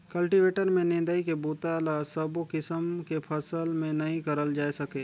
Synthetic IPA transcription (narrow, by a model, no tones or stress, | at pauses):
kɐlʈiʋeːʈəɾmẽnẽːnd̪əikebuːt̪aːlasəbokɪsəmkepʰɐsəlmẽnɐɦĩkɐɾəld͡ʒaːesɐkeː